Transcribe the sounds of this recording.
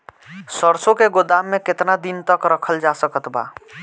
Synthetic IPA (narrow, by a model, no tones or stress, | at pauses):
səɾsõkeɡod̪aːmːẽkɪt̪nad̪int̪əkɾəkʰəld͡ʒasəkət̪ba̰